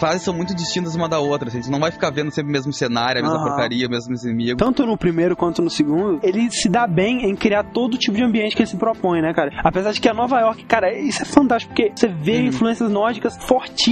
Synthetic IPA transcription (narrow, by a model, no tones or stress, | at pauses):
fɾazɪsːɐ̃w̃mũj̃t̪ʊd͡ʒist͡ʃĩnt̪ɐzũmɐd̪ɐot̪ɾɐʒẽt͡ʃɪnɐ̃w̃vajfi̥kaɾvẽnd̪ʊsẽmpɾɪmezmʊsenaɾjʊɐmezmɐpoɾkaɾiɐmezmʊznimiɡʊt̪ɐ̃nt̪ʊnʊpɾimejɾʊkwɐ̃nt̪ʊnʊsɪɡũnd̪ʊelɪsɪd̪abẽj̃ẽj̃kɾiaɾt̪od̪ʊt͡ʃipʊd͡ʒɪɐ̃mbiẽnt͡ʃɪkelɪsɪpɾopõj̃nɛkaɾɐapezaɾd͡ʒɪkɪɐnɔvaɔɾkɪ̥kaɾɐisʊɛfɐ̃nt̪aʃt͡ʃi̥kʊpʊɾkevoseveĩfluẽsiɐznɔɾd͡ʒikɐsfoɾt͡ʃi